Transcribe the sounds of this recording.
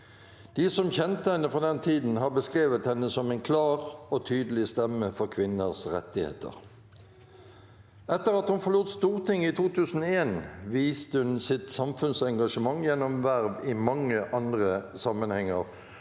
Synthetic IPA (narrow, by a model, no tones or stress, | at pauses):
d̪̥iːsɔmçɛnt̪ʰæɪnəfʁɔːd̪ɛnt̪ʰiːd̪n̩ɦɑːbəskʁeːʋət̪hɛnːəsɔmɛɪnkʰlɑːʁot̪ʰyːd̪əlɪst̪ɛmːəfɔʁkʰʋɪnːəsʁɛ̰t̪ːɪhḛːt̪ʰə̰ʁ | ɛt̪ːəʁɑt̪hʉnfɔʁluːt̪st̪uːʁt̪ɪŋːəɪt̪ʰuːt̪ʰʉːsən̩ɔeːnʋiːst̪əhʉnsɪt̪sɑmfʉnsɛŋɡɑʂəmɑŋːjɛnːɔmʋæʁʋɪmɑŋːəʔɑnd̪ʁəsɑmːənhɛŋːəʁ